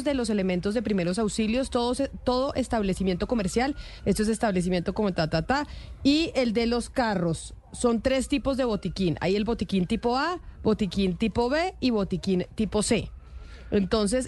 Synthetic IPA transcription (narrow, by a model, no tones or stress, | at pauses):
zd̪e̞lo̞s̬ele̞ment̪o̞zðepɾime̞ɾo̞s̬awsiljo̞st̪oðost̪o̞ðoʔe̞st̪aβlesimje̞nt̪o̞ko̞meɾsjale̞st̪oe̞se̞st̪aβles̬imje̞nt̪o̞ko̞mot̪at̪at̪aie̞ld̪e̞lo̞skaro̞sː | o̞nt̪ɾe̞st̪ipo̞zd̪e̞βo̞t̪ikinʔa̰ie̞lbo̞t̪ikint̪ipo̞abo̞t̪ikint̪ipo̞βe̞iβo̞t̪ikint̪ipo̞se̞ | ent̪o̞ns̬e̞s